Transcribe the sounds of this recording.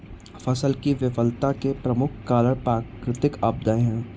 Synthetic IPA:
fɐsəlkiʋɪʋəlt̪akepɾɐmʊkʰkaːləɽpɾaːkɾɪt̪ɪkaːb̚d̪ãɦɛ̃ː

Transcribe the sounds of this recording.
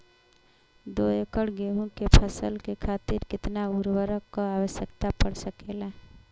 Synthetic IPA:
d̪oekəɽɡeɦũkepʰəsəlkekʰaːt̪ɪɾkɪt̪nauɾwəɾəkːoawəʃjəkt̪apəɽsəkela

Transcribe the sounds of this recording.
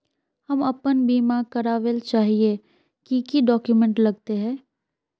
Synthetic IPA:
hɐmɐpənbiːmakɐɾaːʋəlt͡ʃaːɦie | kikiɖɔːkjumɛ̃ɳʈlɐɡ̚t̪eɦɛ̃ː

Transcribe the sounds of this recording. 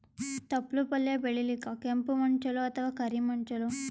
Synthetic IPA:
t̪ɐplupɐlːjabeɭilikakempumɐɳt͡ʃɐloɐt̪ʰɐʋaːkɐɾimɐɳt͡ʃɐlo

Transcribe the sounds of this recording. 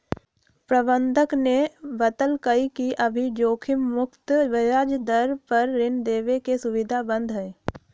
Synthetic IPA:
pɾɐbə̃nd̪ʱəknebət̪əlkəikiʔɐbʱid͡ʒoːkʰɪmːʊkt̪ʋɪjaːd͡ʒd̪əɾpɐɾːɪnd̪eːʋekesʊʋɪd̪ʱabə̃nd̪ɦɛ̃ː

